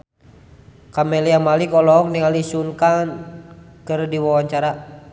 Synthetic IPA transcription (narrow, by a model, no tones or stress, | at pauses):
kamɛliamalikɔlɔŋniŋalisunkankɨrdiwawaɲt͡ʃaɾa